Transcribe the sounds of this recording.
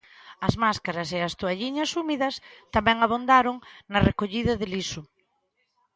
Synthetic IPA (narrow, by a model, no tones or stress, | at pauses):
ɐzmaskaɾɐseɐst̪oaʎiɲɐsumiðɐst̪amɛŋaβ̞ond̪aɾʊŋnɐrekoʎiðɐðɪlisʊ